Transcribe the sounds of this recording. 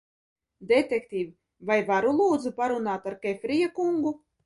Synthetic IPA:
d̪et̪ekt̪ʲiːv | vajvaɾulˠuːd̪zupaɾunaːt̪aɾkɛfʲɾijakuŋɡu

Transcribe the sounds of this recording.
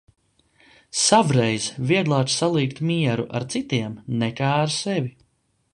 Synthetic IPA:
savɾɛjzviɛɡ̪lˠaːt͡ʃsalˠiːkt̪miɛɾuʔa̰ɾt̪sit̪iɛmnɛkaːɾsɛvi

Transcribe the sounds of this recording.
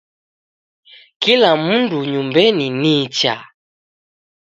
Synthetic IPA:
kilamunduɲumbɛninit͡ʃa̰

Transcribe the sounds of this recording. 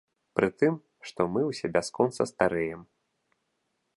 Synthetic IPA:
pɾɨt̪ɨm | ʂt̪ɔmɨwsʲɛbʲaskɔnt̪sɐst̪aɾɛjɛm

